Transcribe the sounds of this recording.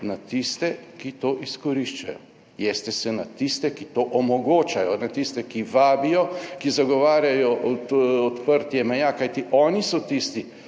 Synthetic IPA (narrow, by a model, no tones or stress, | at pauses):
nat̪ist̪ɛkit̪oːʔiskɔɾiʃt͡ʃa̰jɔ̰ | jɛst̪ɛsɛnat̪ist̪ɛkit̪oːʔɔmɔɡoːt͡ʃajɔnat̪ist̪ɛkiʋaːbijɔkizaɡɔʋaːɾjajɔʔɔt̪pəɾt̪jɛmɛjakajt̪iʔɔːnisɔt̪ist̪i